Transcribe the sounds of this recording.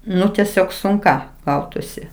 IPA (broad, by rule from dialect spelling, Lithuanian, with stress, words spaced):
ˈnʊ tʲɛˈsʲoːk sʊŋˈkɐ ˈɡɐʊtʊsʲɪ